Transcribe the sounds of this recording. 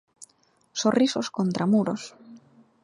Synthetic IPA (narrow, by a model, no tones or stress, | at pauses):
sorisoskont̪ɾamuɾos